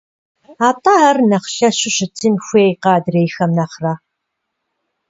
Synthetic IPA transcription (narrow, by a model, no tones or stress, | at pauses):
aːtʼɐaːrnɐχɬɐɕɪɕɪtʰɨnxʷeːjqɑːdreːjxɐmnɐχra